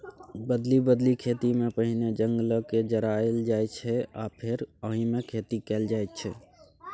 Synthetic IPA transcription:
bəd̪libəd̪likʰeːt̪imẽpəɦined͡ʒə̃ŋɡləked͡ʒəɾaːeld͡ʒaːet͡ʃʰɛa̰ːpʰɪɾəɦĩmẽkʰeːt̪ikɛːld͡ʒaːet̪t͡ʃʰɛ

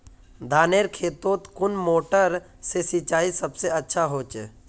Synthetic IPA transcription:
d̪ʱaːneːɾkʰeːt̪oːt̪kʊnmoːʈəɾ | sesɪt͡ʃaːisəbseətːʃʰaɦoːt͡ʃe

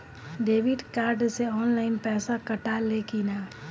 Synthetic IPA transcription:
ɖeːʋɪɖkaːɾɖseɔːnlaːɪnpɛːsakɐʈalekiːnaː

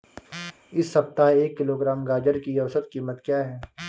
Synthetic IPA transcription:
ɪsːɐbt̪aeːkːɪloːɡɾaːmɡaːd͡ʒəɾkiɐʋsət̪̚kiːmət̪kjaːɦɛː

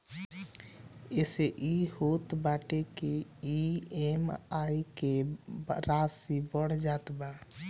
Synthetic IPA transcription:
eseʔihot̪baːʈekeiemaːikeɾaːsibəɽ̤d͡ʒaːt̪baː

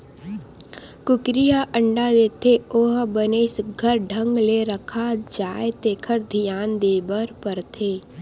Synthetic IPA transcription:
kʊkɾijaʔəɳɖad̪eːt̪ʰeoɦbəneːsɡʱəɾɖʱə̃ŋɡleɾəkʰad͡ʒaːet̪eːkʰəɾd̪ʱijaːnd̪eːbəɾpəɾt̪ʰeː

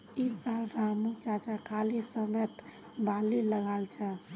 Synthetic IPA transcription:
isalɾamut͡ʃat͡ʃakʰalisəmət̪ | baliləɡalt͡ʃʰɛ

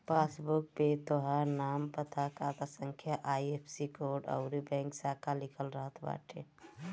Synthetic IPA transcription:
pasbuk̚pet̪oɦaɾnampət̪ʰakat̪asəŋkʰjaʔajepʰsikoɖə̰ʊɾibɛ̃ŋksakʰalikʰəlɾəɦət̪ʰba̰ʈʰḛ

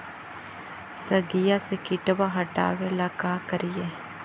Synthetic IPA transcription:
səɡijasekɪʈbaɦɐʈa̰ːʋelakaːkəɾije

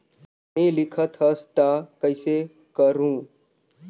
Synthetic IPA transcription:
mẽlɪkʰət̪ɦəst̪akəɪse | kəɾũː

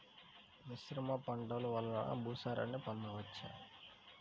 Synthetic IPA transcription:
niʃɾɐmɐpɐɳɖɐluʋɐlːɐna̰bʱuːsaːɾɐ̰nipɐnːɐʋɐt͡ʃːa̰ː

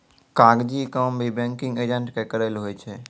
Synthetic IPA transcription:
kaːɡd͡ʒikəːmbʱibẽŋkɪ̃ŋɡed͡ʒẽɳʈkekəɾelɦojt͡ʃʰe

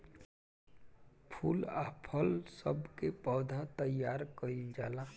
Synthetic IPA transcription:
pʰuːla̰ːpʰəlsəbkepəːd̪ʱat̪əjaːɾkəind͡ʒaːla

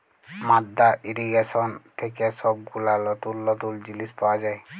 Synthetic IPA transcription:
mad̪ːaʔiɾiɡesɔnt̪ʰekɛsɔb̚ɡulalɔt̪ulːɔt̪uld͡ʑilispawazaj

